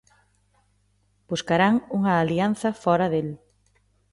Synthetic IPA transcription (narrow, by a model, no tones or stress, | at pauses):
b̥uskaɾaŋuŋɐːlian̟θɐfɔɾɐðel